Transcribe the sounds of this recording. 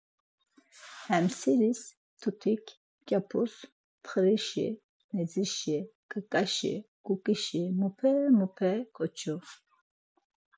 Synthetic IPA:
hɛmsiɾis | t̪ʰut̪ʰikʰ | kʼjapʰus | pʰχɾiʃḭ | nɛd͡ziʃikʼəkʼaʃḭɡ̥ukʼiʃimupʰɛmupʰɛkʰɔt͡ʃʰu

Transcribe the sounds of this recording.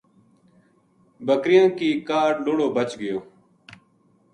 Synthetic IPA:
bəkɾɪjãːkiːkaːɖloːɽoːbət͡ʃɡəjoː

